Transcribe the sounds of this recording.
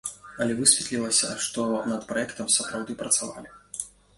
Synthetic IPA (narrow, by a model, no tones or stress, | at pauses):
ɐlʲɛvɨsʲvʲɛt̪lʲilˠɐsʲɐ̰ʂt̪ɔnɐt̪pɾaɛkt̪ɐmsɐpɾawd̪ɨpɾɐt̪sava̰lʲi